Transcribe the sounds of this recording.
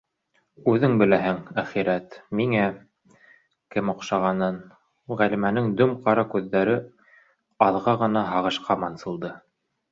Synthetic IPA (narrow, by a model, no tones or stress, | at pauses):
ʉðɘŋbɘ̆læɦɘŋæχiɾæt̪miŋæ | kɘmŏqʃɑʁɑnɤn | ʁælimænɘŋd̪ɵmqɑɾɑkʉðːæɾɘ | ɑðʁɑʁɤ̆n̪ɑɦɑʁɤ̆ʃqɑmɑnsɤ̆lˠd̪ɤ